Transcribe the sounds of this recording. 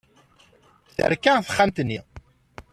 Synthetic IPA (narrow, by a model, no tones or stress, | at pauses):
θə̰ɾkːæθə̥χːamt̪nːi